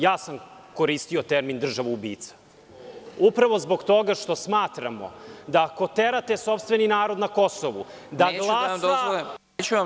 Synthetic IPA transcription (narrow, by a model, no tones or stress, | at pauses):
jaːsamko̞ɾiːst̪io̞t̪eɾmind̪r̩ʒaʋuubḭːt̪sḁ | upɾaʋo̞zbo̞ɡt̪o̞ɡaʃt̪o̞smaːt̪ɾamo̰d̪ako̞t̪eɾat̪eso̞pst̪ve̞ninaːɾo̞d̪nako̞soʋṵ | d̪aɡlˠaːd̪oe | t͡ɕua